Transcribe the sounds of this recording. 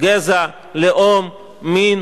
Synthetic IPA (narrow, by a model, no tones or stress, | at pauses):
ɡeza | leʔomː | in